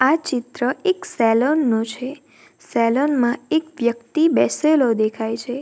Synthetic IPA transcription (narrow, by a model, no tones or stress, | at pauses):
at͡ʃɪt̪ɾəeksɛlonːõt͡ʃʰe | sɛlonmãekʋjəkt̪ibɛselod̪ekʰajt͡ʃʰe